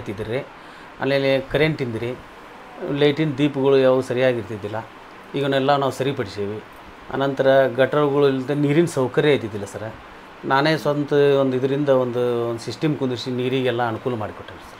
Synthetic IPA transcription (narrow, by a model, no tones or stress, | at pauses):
t̪id̪iɾe | a̰ːleːlekɐɾeɳʈind̪iɾi | lɐjʈind̪iːpuɡɐɭujaːʋusɐɾijaːɡiɾt̪id̪ːilːɐ | iːɡɐnɛlːanaːʋusɐɾipɐɽiseːʋi | ɐ̰nɐnt̪ɐɾɐɡɐʈːɐɭuɡɐɭult̪eniːɾinɐsɐwkɐɾeɐjt̪id̪ːilːɐsɐɾ | naːneːsʋɐt̪t̪ɐond̪id̪ɐɾind̪ɐond̪uond̪usisʈɐmkund̪uɾsiniːɾiːɡɛlːɐːnukuːlɐmaːɽikoʈːeːnsɐɾ